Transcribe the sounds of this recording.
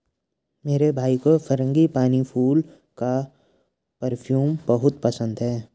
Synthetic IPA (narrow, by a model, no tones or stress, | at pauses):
meːɾebʱaːikofʰɐɾə̃ŋɡipaːnipʰuːl | ka | pəɾpʰjuːmbəɦʊt̪pəsə̃nd̪ɦɛː